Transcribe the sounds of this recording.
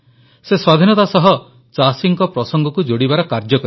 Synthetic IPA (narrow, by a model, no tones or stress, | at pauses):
seswad̪ʱinɔt̪asɔɦɔ | t͡ʃasiŋkɔpɾɔsɔŋɡɔkud͡ʒoɽibaɾɔkaɾd͡ʒɔkɔɾ